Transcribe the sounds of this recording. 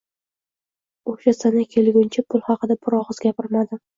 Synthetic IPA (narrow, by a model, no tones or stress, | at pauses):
oʃasanakʲʰe̞lɡʲʊnt͡ʃʰapʰʊlˠhɑqɨd̪abʊɾɒʁɨzɡʲapɪɾmad̪ɪ